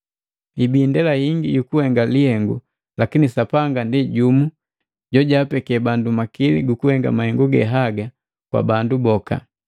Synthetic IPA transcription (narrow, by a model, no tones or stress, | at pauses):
ibiːndɛlahiŋɡiɟukuhɛŋɡalihɛŋɡṵ | lakinisapaŋɡandiɟumu | ɟɔɟaːpɛkɛbandumakilḭɡukuhɛŋɡa̰mahɛŋɡuɡɛ̰ɦaɡa | kwa̰bandubɔka̰